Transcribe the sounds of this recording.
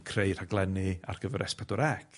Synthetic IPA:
kʰrejr̥haɡlˠɛnɨa̰rɡ̥əvɛɾʔɛspʰɛdʊɾɛkʰ

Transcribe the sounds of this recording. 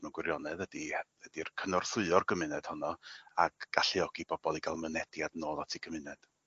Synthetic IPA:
mɛwnɡwɪɾjɔnɛðədiədirkʰənɔrθʊɨɔrɡəmɪnɛd̥hɔnɔaɡ̥ːaɬiɔɡ̥ibɔb̥ɔlˠiɡalˠmənɛdjadnoːlˠatʰiɡəmɪnɛd̥

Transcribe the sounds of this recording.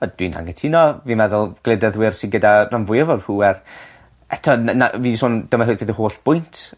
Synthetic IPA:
ɔd̥wina̰ŋɛtʰɪnɔvimɛðʊlˠɡ̥lˠɛdəðwɪrsɪnɡədaranvʊjəvɔd̥ruːɛr | ɛtʰɔnaviːsoːndəmɛhʊɨɡʰbiðəhoːɬb̥ʊjntʰ

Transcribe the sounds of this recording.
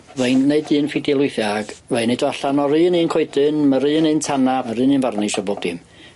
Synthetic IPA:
vejnːeɨdɨːnfɪdɛlˠʊɨθjaɡ̥vejnedɔɬanɔɾɨniːnkʰoɨdɨnmaɾɨːnɨntʰanamaɾɨnɨːnvarniʃabodɪm

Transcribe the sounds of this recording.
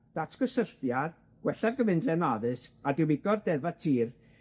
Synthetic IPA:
d̥atʰɡ̥əsərθjar | ɡ̥wɛɬavɡəvɪndlɛnaðɨsadɪwɪɡɔrdɛvatʰiːr

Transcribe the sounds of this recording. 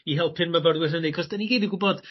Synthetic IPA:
iɦɛlˠpʰɨnməvɔrwɪrənekʰɔsd̥aniɡejdəɡʊbɔd̥

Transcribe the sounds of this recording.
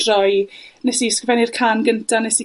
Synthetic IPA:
rɔjnɛsiskvɛnirkʰaːnɡəntʰanɛsi

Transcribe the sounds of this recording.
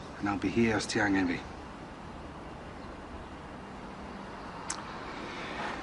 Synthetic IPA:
ə̃naɪlˠbihiəstʰiaŋɛ̃nɹi

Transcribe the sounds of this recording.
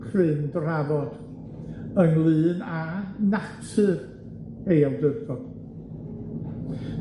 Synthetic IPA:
kʰrɨndravɔd̥ | əŋlˠɨːnanatʰɨr | ejawdərɡɔd̥

